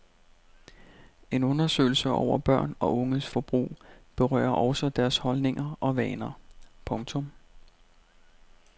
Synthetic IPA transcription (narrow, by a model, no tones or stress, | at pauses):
e̝nɔ̽nɐsø̰ɪl̩səʔɒ̰ʊ̰ɐb̥ɶɐ̰nɒ̽ʔɔ̽ŋəðsfɒb̥ʁṵːb̥e̝ʁɶ̰ːɐʔɒ̽ʊsɒd̥æɐshɒ̽lne̝ŋʔɐʔɒ̽ʋɛ̰ːnɐpʰɔ̽ŋt͡sʰɔ̽m